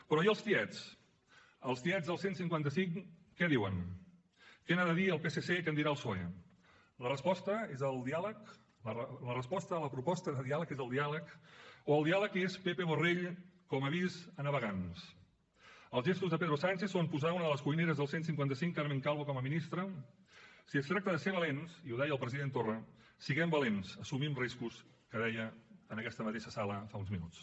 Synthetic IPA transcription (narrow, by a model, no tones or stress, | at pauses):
pɾɔjəlˠst̪iɛs | əlˠst̪iɛzðəlˠsensiŋkwant̪əsiŋkɛðiwən | kɛnaðəðiəlˠpesesekənd̪iɾaəlˠsɔɛ̰ | lərəspɔst̪əezəlˠd̪ialək | lərəspɔst̪əːləpɾupɔst̪əðəðialəkezəlˠd̪ialəkoəlˠd̪ialəkespepeβoreʎkɔməβizənəβəɣans | əlˠzʒest̪uzðəpeðɾosant͡ʃeθsompuzaunəðələskujneɾəzðəlˠsensiŋkwant̪əsiŋkaɾmeŋkalˠβokɔməminist̪ɾə | siəst̪ɾak̚t̪əðəseɾβəlensiuðɛjəlˠpɾəziðent̪orə | siɣɛmbəlensəsumimriskus | kəðɛjəːnəkɛst̪əmət̪eʃəsaləfaunzminut͡s